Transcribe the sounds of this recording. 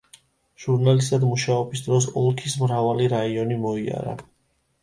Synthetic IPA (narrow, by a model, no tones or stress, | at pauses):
ʒ̥uɾnalist̪ʰad̪muʃaɔbisd̪ɾɔs̬ɔlˠkʰismɾavaliɾaiɔnimɔia̰ɾa̰